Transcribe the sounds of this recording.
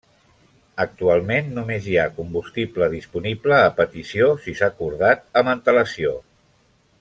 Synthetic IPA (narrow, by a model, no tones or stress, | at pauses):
ək̚t̪ualˠmenːumeziakumbust̪ipləðispunipləːpət̪isiosisakuɾð̞at̪̚əmənt̪ələsio